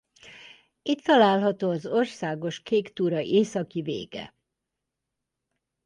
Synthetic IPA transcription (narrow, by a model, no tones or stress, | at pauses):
it̪ːɒlaːlɦɒt̪oːɒzo̞rsaːɡo̞ʃkeːkt̪uːɾɒʔeːsɒkivḛːɡ̥ɛ̰